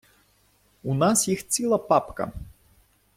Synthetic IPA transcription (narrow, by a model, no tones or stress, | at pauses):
unasjixst͡sʲilˠɐpapkɐ̰